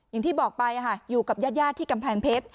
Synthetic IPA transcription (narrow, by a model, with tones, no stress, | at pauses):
ja˨˩ŋt̪ʰiː˥˩bɔː˨˩k̚pa˧jʔa˨˩kʰa˥˩juː˨˩ka˨˩p̚jaː˥˩t̪̚jaː˥˩t̪ʰːiː˥˩ka˧mpʰɛː˧ŋpʰe˦˥t̪̚